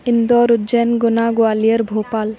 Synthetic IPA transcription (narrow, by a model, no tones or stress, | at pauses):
ɪnd̪ɔːɾʊdd͡ʒɛnɡʊnaːɡʊaːlijəɾbʱoːpaːl